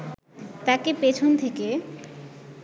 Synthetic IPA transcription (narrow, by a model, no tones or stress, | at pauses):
t̪akepet͡ɕʰont̪ʰeke